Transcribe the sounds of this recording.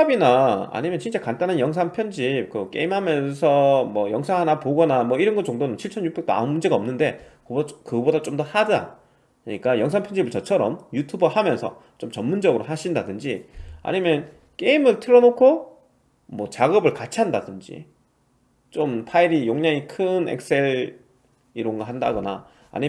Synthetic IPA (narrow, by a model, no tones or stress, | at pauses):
abinaa̰ɲimjʌnt͡ɕint͡ɕ͈akant͈anɯnjʌŋs̬ʰaŋpʰjʌnd͡ʑip̚kɯk͈e̞̰imhamjʌnsʰʌmwʌjʌŋsʰaŋɦanapoɡʌnamwʌiɾʌnɡʌt͡ɕoŋdonɯnt͡ɕʰiɭt͡ɕʰʌnjuk̚be̞k̚t͈oa̰nmund͡ʑe̞ɡaʌmnɯnde̞kɯkɯbodat͡ɕ͈omdʌhadɯa̰ | ʌɲik͈ajʌŋsʰaŋpʰjʌnd͡ʑibɯɭt͡ɕʌt͡ɕʰʌɾʌmjutʰubɯhamjʌnsʰʌ̰ | t͡ɕomt͡ɕʌnmːund͡ʑʌɡɯɾoɦaɕʰindadɯnd͡ʑia̰ɲimjʌn | k͈e̞imɯɭtʰɯɾʌnokʰo | mwʌt͡ɕaɡʌbɯɭkat͡ɕʰiandadɯnd͡ʑḭ | t͡ɕompʰaiɾijoŋɲaŋikʰɯnḛk̚s͈e̞ɭ | iɾoŋɡʌɦanda̰ɡʌna̰ | a̰ɲi